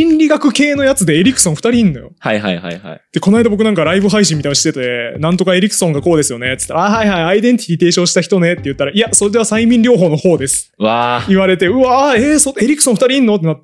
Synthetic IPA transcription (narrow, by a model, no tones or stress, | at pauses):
ĩnɾʲiɡakɯ̟ke̞ːno̞jat͡sɨd̪e̞ːɾʲikɯ̥sõ̞ɰ̃ɸɯ̟t̪aɾʲiĩnːo̞̰jo̞̰haiɦa̰iha̰ja̰d̪̥e̞ko̞naid̪abokɯ̟nãŋkaɾaibɯ̟ɦaiɕ̬ĩmʲːit̪ainoɕi̥t̪ːet̪ad̪enãnt̪o̞kae̞ɾʲikɯ̥sõ̞ŋɡako̞ːd̪e̞sɨjo̞ne̞t͡sɨ̥t̪ːaɾahaihaiaid̪ẽ̞nt̪ʲi̥ɾʲit̪e̞ːɕõ̞ːɕi̥t̪açi̥t̪o̞ne̞t̪ːejɯ̟t̪ːaɾaʔiaso̞ɾed̪e̞βasaimʲĩɲɾʲo̞ːɦo̞ːno̞ho̞ːd̪e̞sɨ̥βaiβaɾe̞t̪e̞ɯ̟aesoeɾʲikɯ̥sõ̞ɸɯt̪aɾʲiinːo̞t̪ːenat̪ː